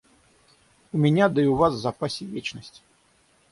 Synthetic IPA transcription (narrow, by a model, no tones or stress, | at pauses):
umʲɛnʲad̪ɨiuvaszapasʲivʲet͡ʃnəsʲt͡sʲ